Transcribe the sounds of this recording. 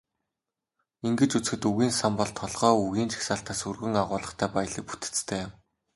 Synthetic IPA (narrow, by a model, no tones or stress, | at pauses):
iŋɡɘ̆t͡ɕut͡s̆xɘ̆t̪uɣiːnsampɔɮt̪ʰːɔɮʁ̥ɔːuɣiːnt͡ɕʰi̥xsaːɬt̪aːsurɣɘ̆ŋaʁʊːɮə̆χt̪ʰæːpaj̆ɮĭːk̚pu̥t̪ɘ̥̆t͡st̪ʰæːjʊm